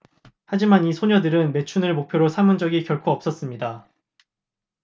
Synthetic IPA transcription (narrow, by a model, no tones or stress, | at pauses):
had͡ʑimanisʰoɲʌdɯɾɯnme̞t͡ɕʰunɯɭmok̚pʰjoɾosʰamund͡ʑʌɡikjʌɭkʰuʌp̚s͈ʌs͈ɯmɲida